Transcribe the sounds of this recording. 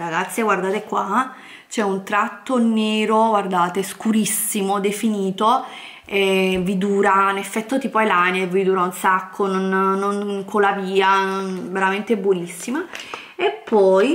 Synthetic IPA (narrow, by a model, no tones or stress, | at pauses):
ɾaɡat̪sːjeɡward̪aːt̪ekwa | t͡ʃɛunt̪ɾat̪ːoneːɾoɡward̪aːt̪eskuɾisːimod̪efiniːt̪o | ɛvid̪uːɾanefːɛt̪ːot̪iːpoelanaevid̪uːɾaunsakʰːononnoŋkʰolaviːanonveɾament̪ebːwonisːima | epʰːɔj